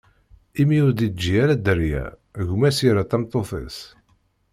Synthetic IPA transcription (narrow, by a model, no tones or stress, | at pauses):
imiʊɾd̪id͡ʒːiæɾæd̪əɾjæ̰ | ʝumæsiɾat̪æmt̪ˤːoθə̰s